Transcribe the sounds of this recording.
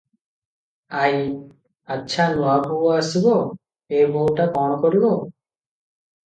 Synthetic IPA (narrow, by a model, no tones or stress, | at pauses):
aj | atːʃʰanuabʱuɔasibɔ | eboʈakɔɽ̃ɔkɔɾibɔ